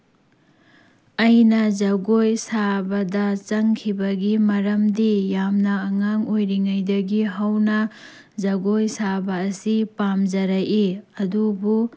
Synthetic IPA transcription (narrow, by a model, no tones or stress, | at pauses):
ɐjnɐzɐɡojsabɐdɐt͡ʃɐŋkʰibɐɡimɐɾɐmdijamnɐːŋaŋojɾiŋajdɐɡiɦɐwnɐ | zɐɡojsabɐːsipamd͡ʒɐɾajiɐdubu